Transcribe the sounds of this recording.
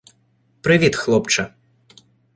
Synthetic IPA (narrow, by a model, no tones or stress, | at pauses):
pɾɨʋʲit̪xlˠɔpt͡ʂɐ